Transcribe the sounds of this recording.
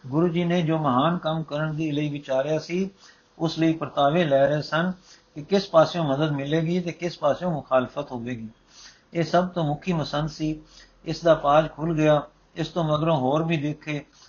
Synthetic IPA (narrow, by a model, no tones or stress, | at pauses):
ɡʊɾuːd͡ʒiːneːd͡ʒoːməɦaːnkəmkəɾəɳd̪iːləiːʋɪt͡ʃaːɾɪjaːsiː | ʊsləiːpɾət̪aːʋeːlɛːɾəeːsənkɪkɪspaːsjõːməd̪əd̪mɪleːɡiːt̪eːkɪspaːsjõːmʊxʰaːlfʰət̪ɦoːʋeːɡiː | eːsəb̚t̪õːmʊkʰiːməsənd̪siː | ɪsd̪aːpaːd͡ʒkʰʊlɡɪjaː | ɪst̪õːməɡɾõːɦoːɾbiːd̪eːkʰːeː